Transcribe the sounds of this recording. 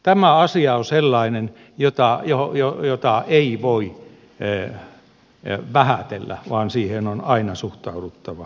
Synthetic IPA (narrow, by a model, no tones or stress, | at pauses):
t̪æmæɑsiɑoselːɑinen | jot̪ɑjojojot̪ɑeiʋoi | ʋæhæt̪elːæ̰ʋɑːnsiːhenonɑinɑsuht̪ɑudut̪ːɑʋɑ